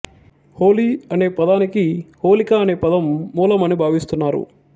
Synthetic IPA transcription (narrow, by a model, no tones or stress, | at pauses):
hoːliːɐne̞ːpɐd̪aːnikiho̞ːlikaːne̞ːpɐd̪ɐmːuːlɐmɐnibʱaːʋist̪unːaːɾṵ